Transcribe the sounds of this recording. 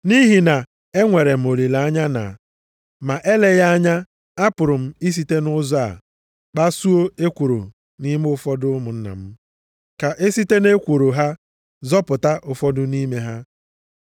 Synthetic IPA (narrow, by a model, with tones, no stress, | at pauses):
ni˦ɦi˨na˨ | e˦ŋʷe˨ɾe˨m̩˨o˨li˨la˨a˦ɲa˦na̰˨ | ma˨ʔe˦le˨ja˦a˦ɲa˦ | a˦pʊ˨ɾʊ˨m̩˦i˦s̬i˨te˦nʊ˦zɔ˦a̰˨ | k͡pa˦su˦o˦e˦kʷo˨ɾo̰˨ | ni˦m˦ʊ˦fɔ˦dʊ˦mʊ˨n̩˦na̰˨m̩˦ | ka˨ʔe˦si˦te˦ne˦kʷu˨ɾo˨ɦa˦ | zɔ˦pʊ˨ta˦ʔʊ˨fɔ˦dʊ˦ni˦me˦ɦa˦